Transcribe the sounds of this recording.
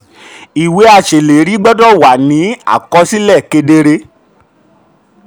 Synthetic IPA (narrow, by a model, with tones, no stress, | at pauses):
i˨we˨˦a˧˨ʃe˨le˨˦ɾi˨˦ɡ͡bɔ˦dɔ˦wa˨nĩ˨˦a̰˦˨kɔ˧˦si˦lɛ˦˨ke˧de˧ɾe˧